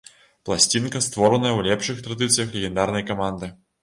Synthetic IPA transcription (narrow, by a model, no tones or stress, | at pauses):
plˠasʲt͡sʲinkɐst̪vɔɾɐnɐjɐwlʲɛpʂɨxt̪ɾad̪ɨt̪sɨjɐxlʲeɣʲɛnd̪arnɐjkamand̪ɨ